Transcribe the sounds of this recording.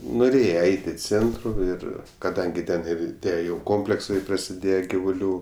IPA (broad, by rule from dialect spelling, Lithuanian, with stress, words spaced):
nʊˈrʲeːjɛ ˈɛɪtʲ ɪ ˈt͡sʲeːntrʊ ˈɪr kɐˈdɐŋʲɡʲɪ ˈtʲɛn ˈɪr ˈtʲiɛ ˈjɛʊ ˈkoːmʲpʲlʲɛksɐɪ prɐsʲɪˈdʲeːjɛ ɡʲɪʋʊˈlʲuː